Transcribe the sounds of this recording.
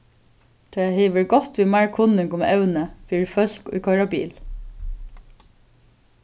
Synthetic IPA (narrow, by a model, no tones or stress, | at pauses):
t̪ʰɔɛɦeːʋəɹɡɔt̪ʋimaɹkʰʊnɪŋɡʊmɛ̰wnəfiːɹfœl̥kʊ̰jkʰɔɹabḭːl